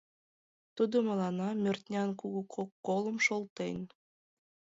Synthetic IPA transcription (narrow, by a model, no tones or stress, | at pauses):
t̪ud̪omɑlɑnɑmʲørt̪nʲɑnkuɣukʰokːolˠəmʃolˠt̪enʲ